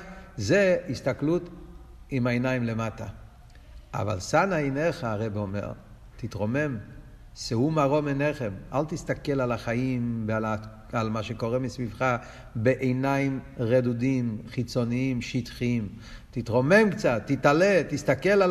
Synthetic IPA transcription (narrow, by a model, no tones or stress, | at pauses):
zeist̪aklut̪ | imaenaimlemat̪a | ʔa̰va̰lsanaeneχaːʁebeomḛʁ | t̪it̪ʁo̞me̞m | sehumaʁo̞meneχemalt̪ist̪akelalaχaimbaa | almaʃeko̞ʁemisvivχa | beʔejnaimʁedud̪imχit͡so̞niimʃit̪χim | t̪it̪ʁo̞me̞mkt͡sat̪ːit̪alet̪ist̪akela